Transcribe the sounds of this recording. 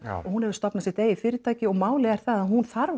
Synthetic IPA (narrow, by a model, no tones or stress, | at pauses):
ɔɣhunhɛvʏ̥ɾst̪ɔpnasɪɛht̪eːjɪfɪːɾɪɾt̪ʰaːjcɪɔɣmaːwlɪɛɾ̥θaðaɦunθaɾv